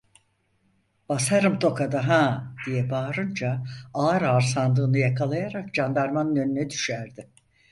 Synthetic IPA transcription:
b̥asaɾɯmt̪ʰo̞kʰad̪aɦaːd̪̥ijɛbaːɾɯnd͡ʒaaːɾaːɾsand̪ˠɯːnɯjakʰalˠajaɾak̚d͡ʒand̪aɾmanɯnønynɛd̪y̥ʃæɾd̪ɪ

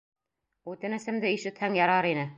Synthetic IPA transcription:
ʉt̪ɘ̆nɘ̆sɘ̆md̪ɘiʃɘ̆t̪hæŋjɑɾɑɾinɘ

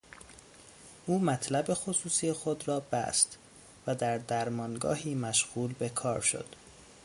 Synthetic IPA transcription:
ʔuːmæt̪ʰlæbe̞xosuːsiexo̞d̪ɾɒːbæ̰st̪ | væd̪æɾd̪æɾmɒːnɡɒ̰ːhiːmæʃɣuːlbe̞kʰɒːɾʃo̰d̪̥

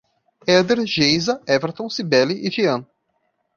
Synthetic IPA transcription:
ɛd̪eɾʒejzɐɛveɾt̪õsibɛliʔiviɐ̃n

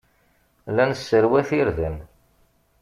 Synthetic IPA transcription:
lænəsːəɾwæθiɾðən

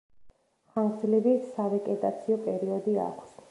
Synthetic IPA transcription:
χanzlɛbisavɛkʼɛt̪ʼat̪sʰiɔpʼɛɾiɔd̪ia̰kʰʷs

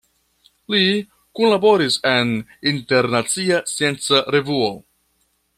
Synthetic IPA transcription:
li | kunlabo̞ɾise̞ninte̞ɾnat͡siasije̞nt͡saɾe̞vuo

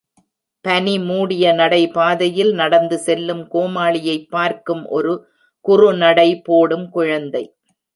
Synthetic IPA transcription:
pɐnimuːɽɪjɐnɐɽɐɪpaːðɐjɪlnɐɽɐnd̪ɯsɛlːɯmkoːmaːɭɪjɐɪpːaːɾkɯmʔɔ̰ɾɯ | kʊrʊnɐɽɐɪpːoːɽɯmkʊɻɐnd̪ɐɪ

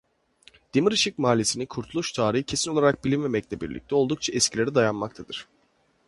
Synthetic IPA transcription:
d̪̥imɯɾɯʃɯk̚maːlʲisinikʰuɾt̪ʰulˠuʃt̪ʰaːɾiɦɯcʰe̞sino̞lˠaɾak̚bilʲinmemɛclʲɛbiɾlʲḭc̚t̪ʰɛo̞lˠd̪ukt͡ʃʰaɛscʰilʲe̞ɾid̪ajanmak̚t̪ʰad̪ɯɾ̥

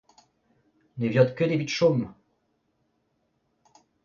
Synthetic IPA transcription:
nevjɔ̃t̪kəd̪evit̪ʃom

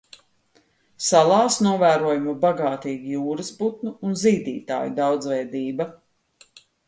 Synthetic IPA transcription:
salˠɑːsnuɔvæːɾuɔjumubaɡaːt̪iːɡijuːɾɐsbut̪̚nuːnziːd̪ḭːt̪a̰ːjud̪awd̪zvɛjd̪iːbɐ

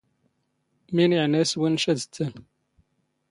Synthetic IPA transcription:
miniʕnæswinʃæd̪t͡s̪ːən

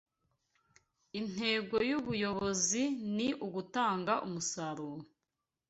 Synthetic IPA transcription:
in̥he̞ːɡo̞juβujo̞βo̞ziniʔuɡutaːŋɡaʔumusaɾuːɾo

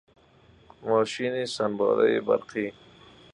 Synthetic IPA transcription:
mɔːʃinisanbɑ̰ːd̪a̰jiba̰ɾqiː

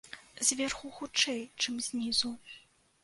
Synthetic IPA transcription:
zʲvʲɛrxuxut͡ʂɛjt͡ʂɨmzʲnʲizu

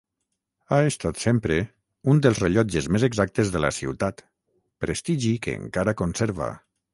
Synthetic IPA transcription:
aest̪at̪sempɾe | und̪elˠzreʎɔd͡ʒezmezeɡzak̚t̪ezðəla̰sḭwt̪at̪ | pɾest̪iʒikḛːŋkaɾakonseɾβa̰

